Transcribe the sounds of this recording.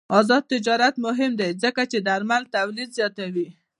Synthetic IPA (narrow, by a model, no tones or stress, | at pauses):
ɑzɑd̪̚t̪ɪd͡ʒɑɾat̪mʊɦɪmd̪ajzəkat͡ʃed̪aɾmalt̪awlid̪zjɑt̪awi